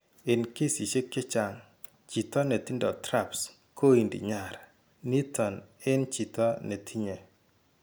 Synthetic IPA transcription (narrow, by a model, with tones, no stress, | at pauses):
ɪ˨nke˦si˨t͡ʃe˦kːɪ˦t͡ʃa˨ŋ | t͡ʃi˨t̪ɔ˦nɛ˨tɪ˦ndɔ˨tɾa˦˨ps | kʰo˦i˨ndḭ˨ɲa˨ɾ | ni˦tɔ˨nɪ˦nt͡ʃi˨t̪ɔ˦ne˨tʰi˦ɲe˨